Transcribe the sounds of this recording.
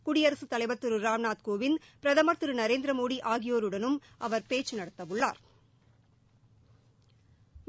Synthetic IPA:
kʊɽɪjɐɾɐsɯt̪ːɐlɐɪʋɐt̪ːɯɾɯɾaːmnaːt̪koːʋɪnpɪɾɐðɐmɐɾt̪ːɯɾɯnɐɾeːnd̪ɾɐmoːɽiʔaːɣɪjoːɾɯɽɐnɯmʔɐʋɐɾpeːt͡ʃːɯnɐɽɐt̪ːɐʋɯɭːa̰ːɾ

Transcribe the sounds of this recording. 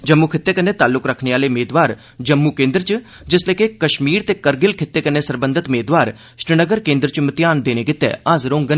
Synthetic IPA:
d͡ʒəmːuːkʰɪt̪ːeːkənːeːt̪aːlːʊkɾəkʰneːaːleːʊmeːd̪ʋaːɾ | d͡ʒəmːuːkẽːnd̪ɾt͡ʃ | d͡ʒɪslekekəʃmiːɾt̪eːkəɾɡɪlkʰɪt̪ːeːkənːeːsəɾbə̃nd̪ɪt̪ʊmeːd̪ʋaːɾ | ʃɪɾɪnəɡəɾkẽːnd̪ɾt͡ʃmət̪ɪjaːnd̪eːneːkɪt̪ːḛːaːzɾõːŋɡənː

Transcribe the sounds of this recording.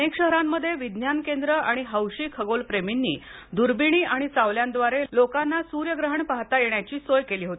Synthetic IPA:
ekɕəɦɾamːəd̪ʱːjeʋid̪njankend̪ɾəaɽ̃iɦəwɕiːkʰəɡolpɾeminːḭː | d̪uɾbiɽ̃iːʔaɽ̃it͡saʋljand̪ʋaɾelokanːasuɾjəɡɾəɦəɳpaɦt̪ajeɳjat͡ɕiːsojkeliːɦot̪ii

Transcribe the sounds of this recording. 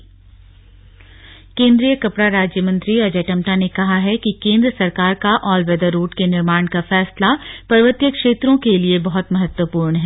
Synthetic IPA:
kẽːnd̪ɾijəkɐpɽaɾaːd͡ʒjəmɐ̃nt̪ɾiɐd͡ʒeːʈɐ̃mʈanekɐɦaɦɛkikẽːnd̪ɾəsɐɾkaːɾkaʔɔːlʋɛːd̪əɾːuːʈkenɪɾmaːɳ̃kafɛːslapɐɾʋət̪jəkʃeːt̪ɾõkeliebɐɦʊt̪mɐɦət̪wəpuːɾɳɦɛː

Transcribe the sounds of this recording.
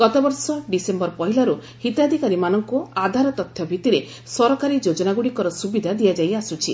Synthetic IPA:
ɡ̥ɔt̪abɔɾsɔɖisembɔɾpɔɦilaɾu | hit̪ad̪ʱikaɾimanɔŋkuad̪ʱaɾɔt̪ɔt̪ʰjɔbʱit̪iɾe | sɔɾɔkaɾid͡ʒod͡ʒɔnaɡuɽikɔɾɔsubid̪ʱad̪ijad͡ʒajasut͡ʃʰi

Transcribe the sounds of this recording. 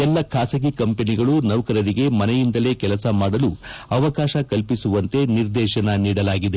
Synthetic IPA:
ɛlːɐkʰaːsɐɡikɐmpe̞niɡɐɭunɐʋɐkɐɾɐɾiɡe̞mɐnɛjind̪ɐle̞ːkɛlɐsɐmaːɽɐluɐʋɐkaːʃɐkɐlpisuʋɐnt̪e̞niɾd̪ɛːʃɐnɐniːɽɐlaːɡid̪e

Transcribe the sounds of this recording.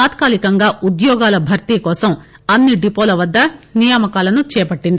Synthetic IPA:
aːt̪kaːlikɐŋɡaːud̪jɔːɡaːlɐbʱɐɾt̪ikɔːsɐm | ɐnːiɖipoːlɐʋɐd̪ːɐnijaːmɐkaːlɐnut͡ʃɛːpɐʈːind̪i

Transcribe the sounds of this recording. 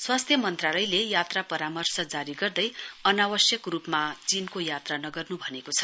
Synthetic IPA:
swast̪ʰjʌmʌnt̪ralʌjlejat̪rapʌɾamʌrsʌd͡zaɾiɡʌrd̪ʌjʌnabʌsjʌkrupmat͡sinkojat̪ranʌɡʌrnubʱʌnekot͡sʰʌ̥

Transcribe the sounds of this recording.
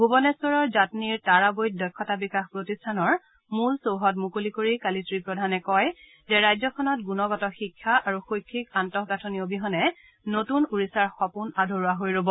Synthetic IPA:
ɡʱubɔnɛsɔɹɔɹzatniɹtaɹabojt̚dɔjkʰːɔtabikaxpɹotistʰanɔɹ | mulsowɦɔt̚mukolikoɹikalitɹipɹɔdʱanɛkɔj | zɛɹajzɔkʰɔnɔt̚ɡunɔɡɔtɔxikʰːaaɹuxojkʰːikantɔkɡatʰoniobiɦɔnɛ | notunuɹisaɹxɔpunadʱoɹuaɦojɹobɔ

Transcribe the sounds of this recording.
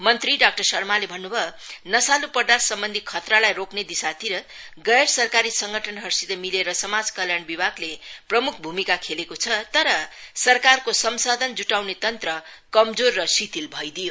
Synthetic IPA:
mʌnt̪riɖak̚ʈʌrsʌrmalebʱʌnːubʱʌnʌsalupʌrd̪at̪sʌmbʌnd̪ʱikʰʌt̪ralajrokned̪isat̪iɾʌ | ɡʌjrsʌrkaɾisʌŋɡʱʌʈʰʌnɦʌrsid̪ʌmileɾʌsʌmad͡zkʌljanbibʱaɡleprʌmukʰbʱumikakʰelekot͡sʰʌt̪ʌɾʌsʌrkarkosʌmsad̪ʱʌnd͡zuʈawnet̪ʌnt̪rʌkʌmd͡zorːʌsit̪ilbʱʌjd̪ijo

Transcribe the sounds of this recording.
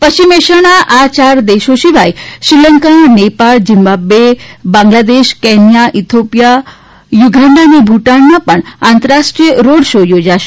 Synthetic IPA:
pəɕimeʃəɽ̃aʔat͡ɕaɾd̪eʃoʃiʋajʃɾiləŋkaɳnepald͡ʑimbabebãŋɡlad̪eʃkenjaʔit̪ʰopja | juɡʱaɳɖanibʱuʈanːapəɳãnt̪əɾaʂʈɾiəɾoɽʃojod͡ʑaʃ

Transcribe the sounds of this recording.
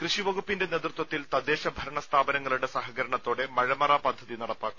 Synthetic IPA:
krɨɕiʋɐɡupːinde̞neːt̪rut̪wɐt̪ːilt̪ɐd̪eːɕɐbʱɐɾɐɳɐst̪ʰaːbɐnɐŋːɐɭuɽe̞sɐɦɐɣɐɾɐɳɐt̪ːo̞ːɽe̞mɐɻɐmɐraːpɐd̪ʱːɐðinɐɽɐpːaːkːum

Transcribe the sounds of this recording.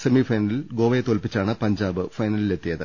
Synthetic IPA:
semifɐjnɐlilɡo̞ːʋɐjt̪olpit͡ɕːaːɳɨpɐɲd͡ʑaːbɨfɐjnɐlile̞t̪ːijɐðɨ

